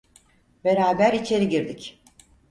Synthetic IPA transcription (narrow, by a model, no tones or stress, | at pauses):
be̞ɾaːbæɾit͡ʃʰe̞ɾiɟiɾd̪ic